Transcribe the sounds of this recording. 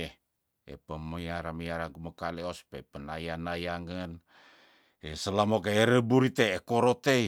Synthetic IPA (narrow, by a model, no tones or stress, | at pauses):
e | ḛpəməjaɾaməjaɾaŋkuməkaleospepənajanajaŋən | esəlamokeeɾəbuɾit̪eekoɾot̪ei